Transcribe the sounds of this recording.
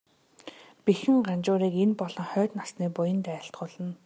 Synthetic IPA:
pixɘ̆ŋɢant͡ɕʊːɾiːkenpɔɮɞ̆ŋχœːt̪nasniːpʊjə̆nt̪æːɬt̪ɢʊːɮə̆n

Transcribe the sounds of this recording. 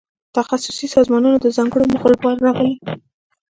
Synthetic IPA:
t̪axasʊ̥sisɑzmɑnunod̪əzɑŋɡəɽomʊɣlbɑɾːɑɣəli

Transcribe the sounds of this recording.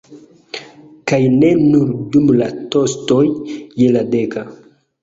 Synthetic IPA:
kajne̞nuɾdumlato̞sto̞jjelade̞ka

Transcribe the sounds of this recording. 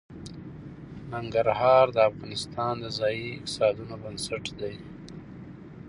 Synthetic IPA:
naŋɡaɾhɑɾd̪əafɣɑnɪst̪ɑnd̪əzɑjiɪq̚t̪ɪ̥sɑd̪unobənsaʈd̪aj

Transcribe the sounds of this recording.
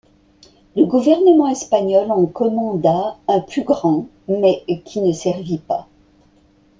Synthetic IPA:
ləɡuvɛʁnəmɑ̃ɛspaɲɔlɑ̃kɔmɑ̃d̪aɛ̃plyɡʁɑ̃ | mɛkʲʰinəsɛʁvipa

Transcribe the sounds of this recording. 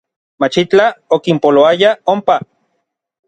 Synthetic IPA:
mat͡ʃit͡ɬaokimpoloajaompa

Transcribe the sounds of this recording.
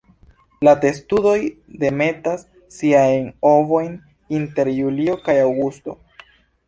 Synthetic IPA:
late̞studo̞jde̞me̞tasː | iajno̞vo̞jn | inte̞ɾjulio̞kajawɡusto̞̰

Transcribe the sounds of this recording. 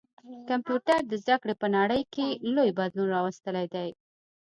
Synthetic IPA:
kampjuʈaɾd̪əzd̪akɽepənaɽəjkelojbad̪lunɾɑwast̪əlajd̪aj

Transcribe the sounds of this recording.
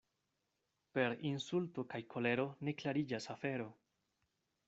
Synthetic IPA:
pe̞ɾinsulto̞kajkʰo̞le̞ɾo̞ne̞klaɾid͡ʒasafe̞ɾo̞

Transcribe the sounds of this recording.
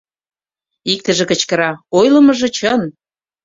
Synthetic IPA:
ik̚t̪ə̆ʒĕkə̆t͡ɕkə̆ɾɑojlə̆mɤ̆ʒɤ̆t͡ɕən

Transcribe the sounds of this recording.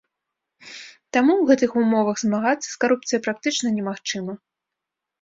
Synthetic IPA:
t̪amuwɣɛt̪ɨxumɔvɐɣzmaɣat̪sːɐ̥skaɾup̚t̪sɨjɐpɾak̚t̪ɨt͡ʂnɐnʲɛmaxt͡ʂɨmɐ

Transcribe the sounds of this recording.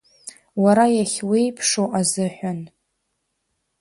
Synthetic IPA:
waɾajaχʲwejpʰʂowʔazɨħᶣʷan

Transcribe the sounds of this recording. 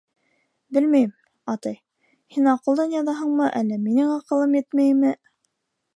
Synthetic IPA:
bɘlmæjɘm | ɑt̪ɑj | hinɑqɤ̆lˠd̪ɑnjɑðɑɦɤɴmɤʔælːæminɘŋɑqɤ̆lˠɤmjɘt̪mæjmɘ

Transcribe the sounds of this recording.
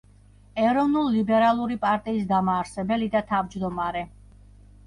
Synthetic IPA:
ɛɾɔvnullibɛɾalˠuɾipʼaɾt̪ʼiːsd̪amaːɾsɛbɛlid̪at̪ʰavd͡ʒd̪ɔmaɾɛ

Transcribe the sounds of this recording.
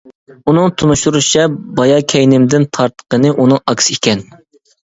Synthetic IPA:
unɨŋt̪ʰunuʃuɾuʃɛbɑjɑkʲʰɛjnɪmd̪ɪnt̪ʰɑɾt̪ʰːə̥qənɨʔunɨŋʔɑkʲsikʲɛn

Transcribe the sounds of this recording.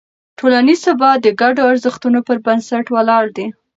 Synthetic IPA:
ʈʰolanizabɑd̪əɡaɖoaɾzəxt̪unopəɾbansaʈwalɑɽd̪i

